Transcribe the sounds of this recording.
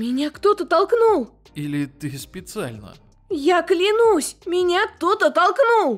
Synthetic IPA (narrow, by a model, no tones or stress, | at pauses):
mʲɪnʲakt̪ot̪ət̪ɐlˠknulˠ | ilʲɪt̪ɨspʲɪt̪sɨa̰lʲnə̰ | jaklʲɪnusʲmʲɪnʲat̪ot̪ət̪ɐlˠknulˠ